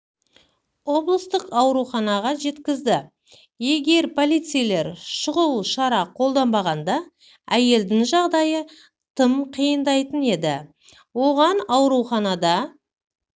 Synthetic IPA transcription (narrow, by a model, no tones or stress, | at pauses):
wo̞blˠəst̪əqɑwɾuχɑnɑʁɑʒe̞t̪kʲɪzd̪ɪ | je̞ɡʲe̞ɾpʰo̞lijt̪sɨjle̞ɾʃʊʁəwʃɑɾɑqʰo̞lˠd̪ɑmbɑʁɑnd̪ɑ | æje̞ld̪ɪŋʒɑʁd̪ɑjə | t̪ʰəmqʰijənd̪ɑjt̪əne̞d̪ɪ | wo̞ʁɑnɑwɾuχɑnɑd̪ɑ